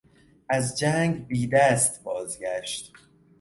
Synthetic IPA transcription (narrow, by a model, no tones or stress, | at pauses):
ʔæzd͡ʒæŋɡbiːd̪æst̪bɒːzɟæʃt̪